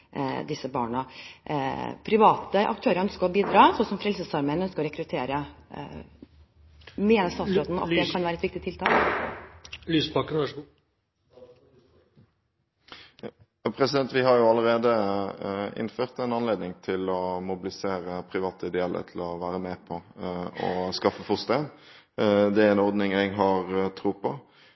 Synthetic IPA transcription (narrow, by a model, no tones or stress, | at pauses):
d̪ɪsəbɑ̰ːɳə | pʰɾɪʋɑːt̪əʔɑ̰k̚t̪ʰøːɾəɾœnskəɾɔbiːd̪ɾɑːsɔsɔmfɾɛlsəsɑɾmɛənœnskəɾɔɾɛkɾʉt̪ʰeːɾə | meːnəɾst̪ɑːt̪sɾoːt̪n̩ɑ̰t̪̚d̪ɛkʰɑnʋæːɾəɛt̪ʋɪk̚t̪ɪt̪ʰɪlt̪ʰɑːk | lyspɑkːə | pʰɾɛsɪd̪ɛnt̪ʋɪɦɑɾjʊɑlːəɾeːd̪ə | ɪ̰nːføːʁt̪ɛɪnɑnleːd̪nɪŋt̪ʰɪlɔmʊbɪlɪseːɾəpʰɾɪʋɑːt̪əɪd̪ɛɛlʔə̰ɾt̪ʰɪlɔʋæːɾəmɛːpʰɔɔ̰skɑfːəfɔst̪en | d̪ɛɛnɔʁd̪nɪŋɛɡɦɑɾt̪ʰɾuːpʰɔ